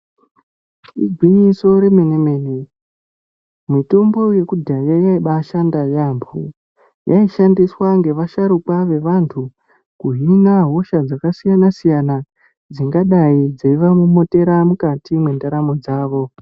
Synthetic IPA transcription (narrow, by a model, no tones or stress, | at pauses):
ḭd͡zwiɲiso̞ɾe̞meneme̞ni | mito̞mbo̞je̞kudʱajajaiɓaʃandajampʰu | jʔa̰iʃandiswaŋɡe̞ʋaʃaɾukwaʋe̞ʋantʰu | kuɦinaɦo̞ʃad͡zakasijanasijana | d͡ziŋɡaɗaid͡zaiʋamumo̞te̞ɾamukatimwendaɾamo̞d͡zaːʋo̞